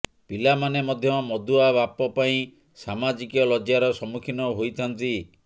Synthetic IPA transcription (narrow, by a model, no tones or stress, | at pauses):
pilamanemɔd̪ʱjɔmɔd̪uabapɔpaĩ | samad͡ʒikɔlɔd͡ʒjaɾɔsɔmukʰinɔɦojt̪ʰant̪i